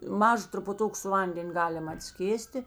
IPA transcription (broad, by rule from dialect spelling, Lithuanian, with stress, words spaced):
ˈmɑːʒɐ trʊpʊˈtʊk sʊ ˈʋɐnʲdʲɛnʲ ˈɡɑːlʲɪm ɐtʲˈsʲkʲeːsʲtʲɪ